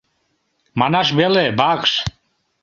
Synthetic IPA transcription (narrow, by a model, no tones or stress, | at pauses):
manaʃ̬bɛlɛbakʃ